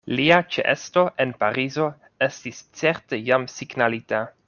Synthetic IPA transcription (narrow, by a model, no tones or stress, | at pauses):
liat͡ʃḛʔḛsto̞ʔenpaɾizo̞ | e̞stist͡seɾtejamsiɡnalita